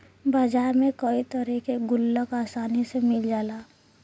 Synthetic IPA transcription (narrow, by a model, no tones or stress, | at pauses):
baːd͡ʒaːɾmẽkəit̪əɾikeɡʊlːəkaːsaːnisemɪld͡ʒaːlaː